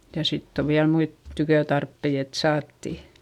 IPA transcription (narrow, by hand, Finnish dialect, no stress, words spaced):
jɑ sitː o ʋiæl muit tykøtɑrpːei et sɑːtːi